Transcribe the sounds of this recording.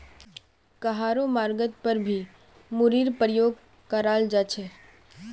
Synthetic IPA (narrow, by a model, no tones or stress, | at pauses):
kɐɦaːɾomaːɾɡət̪pəɾbʱi | mʊɾiːɾpəɾjoːɡ̚ | kəɾaːld͡ʒaːt͡ʃʰeː